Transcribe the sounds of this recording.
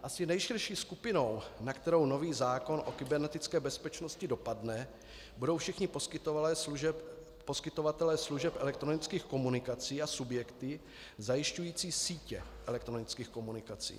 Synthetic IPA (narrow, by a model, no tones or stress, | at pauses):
ʔasɪnɛjʃɪrʃiːskupɪno̞wnakt̪ɛɾo̞wno̞viːzaːko̞nʔo̞kɪbɛɾnɛt̪ɪt͡skɛːbɛspɛt͡ʃnoscɪdo̞padnɛ | budo̞wfʃɪxɲɪposkɪt̪olɛːɛ | poskɪt̪o̞vat̪ɛlɛːsluʒɛpʔɛlɛk̚t̪ɾo̞nɪt͡skiːxko̞munɪkat͡siːasubjɛkt̪ɪ | zajɪʃcujiːt͡siːsiːcɛ̰ʔɛlɛkt̪ɾo̞nɪt͡skiːxko̞munɪkat͡sḭː